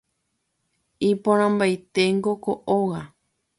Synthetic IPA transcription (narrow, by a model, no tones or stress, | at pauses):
ipõɾ̃ãmbajt̪e̞ŋɡokoʔoɣa